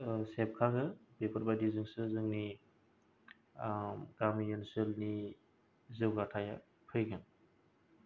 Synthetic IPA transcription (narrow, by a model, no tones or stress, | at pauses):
sep̚kʰaɡɯbepʰɯɾbadizɯŋsɯzɯŋni | ɡamijenselni | zɯwɡatʰaja | pʰɯjɡan